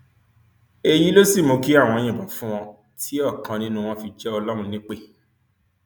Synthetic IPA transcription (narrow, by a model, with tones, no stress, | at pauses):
e˧ji˦lo˦si˦˨mõ˧ki˦a˦˨w̃ɔ̃˧j̃ĩ˨ba˨fũ˦w̃ɔ̃˧ | tʰi˦ɔ˦˨kã˧nĩ˦nũ˦w̃ɔ̃˧fi˧d͡ʒɛ˦ɔ˧lɔ˦ɾ̃ũ˧nĩ˦k͡pe˦˨